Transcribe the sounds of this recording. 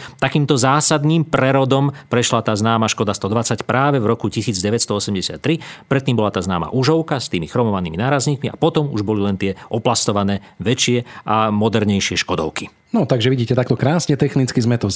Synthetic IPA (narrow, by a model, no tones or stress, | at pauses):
t̪akiːmt̪ɔzaːsad̪niːmpɾɛɾɔd̪ɔmpɾɛʃlat̪aːznaːmaʃkɔd̪ast̪ɔd̪ʋat͡sacpɾʔaːʋɛvɾɔkucisiːd͡zɟɛʋɛcst̪ɔɔsɛmɟɛsɪa̰t̪ːɾipɾɛt̪ːiːmbɔlat̪aːznaːma̰ʔuʒɔʊkast̪iːmixɾɔmɔʋaniːminaːɾazɲiːkmiʔa̰pɔt̪ɔmṵʒbɔlilɛnt̪ɪɛʔɔplast̪ɔʋanɛː | ʋɛt͡ʃɪɛʔamɔd̪ɛɾɲɛjʃɪɛʃkɔd̪ɔ̰ʊki | nɔt̪aɡʒɛʋiɟiːcɛt̪ak̚t̪ɔkɾaːsɲɛt̪ɛxnit͡skizmɛt̪ɔ